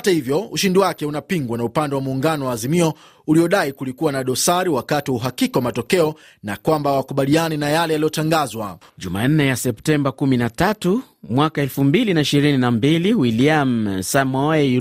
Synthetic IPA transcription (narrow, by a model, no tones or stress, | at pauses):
hatahivjɔuʃindiwakɛunapiŋɡwanaupandɛwamuːŋɡanɔwaːzimiɔ | uliɔɗaikulikuwanaɗɔsaɾiwakatiuɦakikawamatɔkɛɔ | nakwambawakuɓalianinajalɛjalijɔtaŋɡazwa̰ | ʄuma̰n̩nɛjasɛptɛmbakuminatatu | mwakaɛlfumbilinaiʃiɾininambiliwiliamsamɔɛ